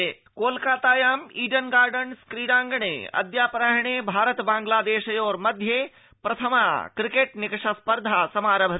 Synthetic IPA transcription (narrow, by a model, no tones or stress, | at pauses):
koːlkaːt̪aːjaːmiːɖənɡaːɾɖənskɾiːɾãːŋɡɳḛɐ̰d̪jaːpɾaɦɳ̃ebʱaːɾət̪bãːŋɡlaːd̪eːʃɐjoːɾmɐd̪ʱje | pɾɐt̪ʰɐma̰ːkɾɪkeːʈnɪkʂɐspəɾd̪ʱaːsɐmaːɾɐbʱɐɾ